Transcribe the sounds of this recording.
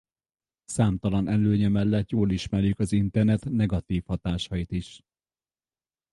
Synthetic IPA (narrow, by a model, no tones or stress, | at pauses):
saːmt̪ɒlɒnʔɛlːøːɲɛmɛlːɛt̪joːliʃmɛrjykɒzint̪ɛrnɛt̪nɛɡɒt̪iːfhɒt̪aːʃɒjit̪iʃ